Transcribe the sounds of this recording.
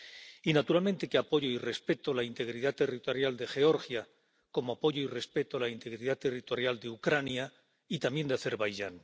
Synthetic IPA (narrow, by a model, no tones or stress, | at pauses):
inat̪uɾalmẽ̞nt̪e̞keapo̞ʝoire̞spe̞t̪olaint̪eɣ̞ɾiðat̪e̞rit̪o̞ɾjald̪e̞xe̞o̞ɾxja | ko̞moapo̞ʝoire̞spe̞t̪olaint̪e̞ɣɾiðat̪e̞rit̪o̞ɾjald̪eukɾanja | it̪ambje̞nd̪eaθeɾβajʝaŋ